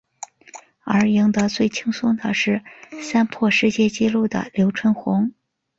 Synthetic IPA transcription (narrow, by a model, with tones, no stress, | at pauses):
ə˞˧˥ji˧˥ŋd̪ə˧t͡swe˥˩ɪt͡ɕʰi˥ŋsʊ˥ŋd̪ə˨ʂɻ̩˥˩sa˥npʰwɔ˥˧ʂɻ̩˥˧t͡ɕjɛ˥˩t͡ɕi˥lu˥˩d̪ə̰˩ljo˧˥ʊʈ͡ʂʰwə˥nxʊ˧˥ŋ